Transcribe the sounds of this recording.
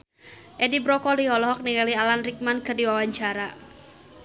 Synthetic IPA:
ʔɛdibɾɔkɔliɔlɔɦɔk̚niŋalialanrik̚mankɨrdiwawaɲt͡ʃaɾa

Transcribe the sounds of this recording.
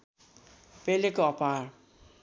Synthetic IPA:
pelekoʌpar

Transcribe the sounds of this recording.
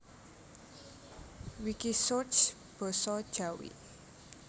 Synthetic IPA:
wikisot͡ʃ | b̥ɔ̤sɔd̥ʒ̥a̤wḭ

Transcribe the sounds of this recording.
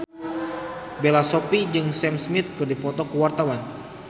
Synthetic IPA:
belasɔpid͡ʒɨŋsɛmsmit̪̚kɨrdipɔt̪ɔkəwart̪awan

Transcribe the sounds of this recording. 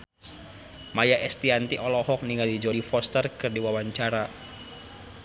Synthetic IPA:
majaʔɛst̪iant̪iʔɔlɔhɔk̚niŋɡadid͡ʒɔɾifɔst̪ərkɨrdiwawaɲt͡ʃaɾa

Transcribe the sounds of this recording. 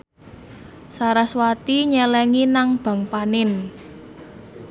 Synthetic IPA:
saɾaswat̪iɲɛlɛŋinaŋb̥ä̤ŋpanɪn

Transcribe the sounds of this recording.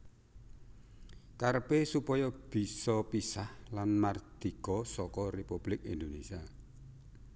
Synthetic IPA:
karpesupɔjɔb̥i̤sɔpisahlanmard̪̥ikɔsɔkɔrepub̥lɪk̚ind̪onesia

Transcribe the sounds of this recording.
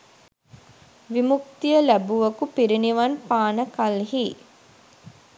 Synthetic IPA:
ʋimuk̚t̪ijəlæbuʋɐkupiɾiniʋɐnpaːnəkalɦi

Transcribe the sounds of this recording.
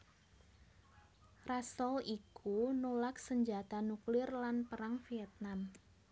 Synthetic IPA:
rasɔlikunolaksəɲd͡ʒat̪anuklɪrlanpəɾaŋfiɛt̪̚nam

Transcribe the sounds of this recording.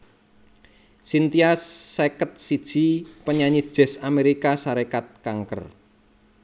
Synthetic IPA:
sint̪iasːekət̪̚sid̥ʒ̥i̤pəɲaɲid̥ʒ̥ɛ̤sameɾikasaɾekat̪̚kaŋkə̰r

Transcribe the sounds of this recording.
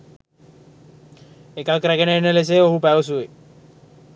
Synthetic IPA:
ekakɾæɡenenːəles̬eoɦupæʋəs̬uʋe

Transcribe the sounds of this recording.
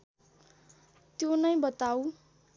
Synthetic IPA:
t̪jonʌjbʌt̪aw

